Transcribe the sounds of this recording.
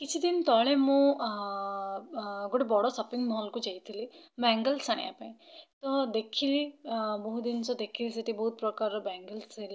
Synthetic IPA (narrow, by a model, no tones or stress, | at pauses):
kit͡ʃʰid̪int̪ɔɭemũ | ɡoʈebɔɽɔsəpiŋmɔɦɔlkud͡ʒajt̪ʰilibaŋɡəlsaɽ̃ḭa̰pãĩt̪ɔd̪ekʰilibɔɦud̪insɔd̪ekʰiliseʈ̪ʰibɔɦut̪̚pɾɔkaɾɔbaŋɡəlsela